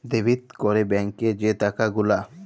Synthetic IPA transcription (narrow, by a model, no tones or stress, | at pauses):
d̪ebʱit̪kɔɾebɛŋked͡ʒet̪akaɡula